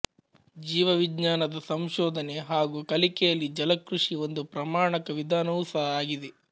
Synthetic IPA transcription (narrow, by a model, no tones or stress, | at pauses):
d͡ʒiːʋɐʋidɲaːnɐd̪ɐsɐmʃɔːd̪ʱɐneɦaːɡuːkɐlikɛjɐlːid͡ʒɐlɐkɾuʂio̞nd̪upɾɐmaːɳɐkɐʋid̪ʱaːnɐʋusɐɦɐaːɡid̪e